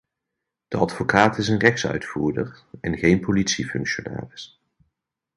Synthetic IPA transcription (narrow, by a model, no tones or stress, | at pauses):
d̥əɑtfokaːtɪsənrɛxsœ̰ɥtfuːɹdərɛnɣejnpolitsifɵ̰ŋkʃona̰ːrɪs